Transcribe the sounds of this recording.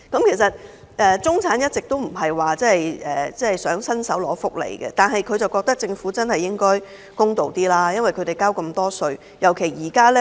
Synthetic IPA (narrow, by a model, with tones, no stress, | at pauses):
kɐ˨˥mkʰe˨˩jsɐ˨t̚ | ʔɛː˨t͡sʊ˥ŋt͡sʰaː˨˥njɐ˥t̚t͡sɪ˨k̚t̪o˥wm̩˨˩ɦɐ˨jwaː˨t͡sɛː˥ɐ˨jʔɛː˨˩t͡sɛː˥˨jsœː˨˥ŋsɐ˥nsɐ˨˥wlɔː˨˥fʊ˨k̚lḛ˨˩jkɛ̰˧t̪aː˨nɦɐ˨jkʰɵ˨˧ɥt͡sɐ˨wkɔː˧k̚t̪ɐ˥k̚t͡sɪ˧ŋfuː˨˥t͡sɐ˥nhɐ˨jːɪ˥ŋkɔː˥j | kʊ˥ŋt̪o˨wt̪iː˥laː˥jɐ˥nwɐ˨jkʰɵ˧t̪e˨˩jkaː˥wkɐ˧mt̪ɔː˥sɵ˧ɥ | jɐ˨˩wkʰe˨˩jjiː˨˩kaː˥lɛ˥